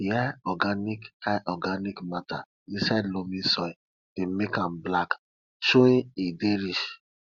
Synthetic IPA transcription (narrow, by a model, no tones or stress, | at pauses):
aɔɡanikhajʔɔɡanikmata | ĩsadlomĩsɔ | d̥emekãmblak | ʃoĩnideɾiʃ